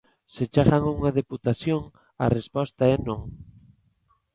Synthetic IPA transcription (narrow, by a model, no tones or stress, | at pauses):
set͡ʃaɣaŋuŋaðeput̪aθjoŋ | a̰respɔst̪aɛnõŋ